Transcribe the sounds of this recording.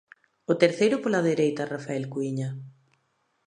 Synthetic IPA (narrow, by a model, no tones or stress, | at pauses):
ʊt̪eɾθejɾʊpolaðeɾejt̪ɐrafaɛlkuiɲɐ